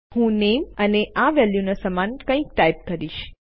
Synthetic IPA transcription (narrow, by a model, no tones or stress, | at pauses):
hũneməneʔaʋɛljunosəmankə̃ĩk̚ʈajp̚kəɾiʃ